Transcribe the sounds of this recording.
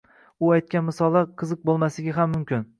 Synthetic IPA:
ʊajt̪̚kʲanmɪsɒlˠaqʰɨzɨq̚bolˠmasɪɡʲaɦamːʊmkʲɪn

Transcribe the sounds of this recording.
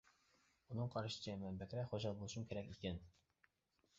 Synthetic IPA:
unɨŋqʰɑɾʃɨ̥t͡ʃʰɛmɛmbɛkʲɾɛχoʒɑlˠbolˠuʃumkʲʰeɾɛkʲikʲɛn

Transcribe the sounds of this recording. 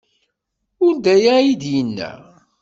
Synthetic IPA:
ʊɾd̪æjæid̪jənːæ̰

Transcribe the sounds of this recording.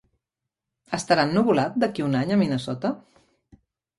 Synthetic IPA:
əst̪əɾanːuβulat̪̚d̪əkiunaɲəminəsɔt̪ə

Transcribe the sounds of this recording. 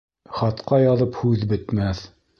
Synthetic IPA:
χɑt̪qɑjɑðɤphʉðbɘ̆t̪mæθ

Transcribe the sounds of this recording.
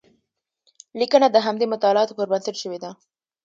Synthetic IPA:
likənad̪əɦamd̪emʊt̪ɑlɑt̪opəɾbənsɪʈʃəwed̪a

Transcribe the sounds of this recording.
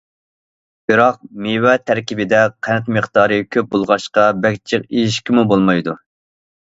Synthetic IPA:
b̥ɪɾɑq̚mewɛt̪ʰæɾkʲibɪd̪ɛqʰænɛt̪məχt̪ɑːɾɨkʲʰøp̚bolˠʁɑʃqɑbɛkʲt͡ʃʰɪqijiʃkʲimubolˠmɑjd̪u

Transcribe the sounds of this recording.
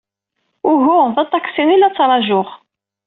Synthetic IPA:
ʊɦʊðɑt̪ˤːɑksinilæt͡sːɾˤɑʒʊʁ

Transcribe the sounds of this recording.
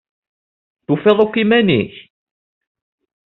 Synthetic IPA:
θufeðˤokːimænḭç

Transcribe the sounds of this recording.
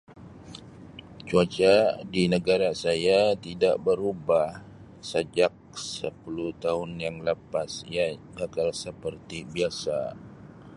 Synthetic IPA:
t͡ʃuat͡ʃadinəɡaɾasajat̪idaʔbəɾubah | səd͡ʒak̚səpuluht̪aɦʊnjaŋləpasijakakalsəpərt̪ibiasa

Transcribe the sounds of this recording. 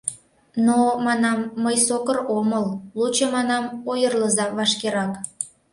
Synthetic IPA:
nomɑnɑmːəjsokəroməllut͡ɕɤmɑnɑmojərləzɑβɑʃkeɾɑk

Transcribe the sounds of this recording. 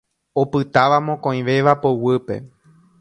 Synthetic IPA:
opɨt̪aʋamõkõĩʋe̞ʋapowɨpe̞̰

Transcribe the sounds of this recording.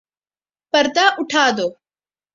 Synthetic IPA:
pəɾd̪aːʔʊʈʰaːd̪oː

